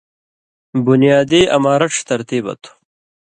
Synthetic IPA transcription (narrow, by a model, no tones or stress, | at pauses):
bunijaːd̪iːʔɐ̰maːɾɐʈ͡ʂt̪ɐɾt̪iːbɐ̰t̪u̥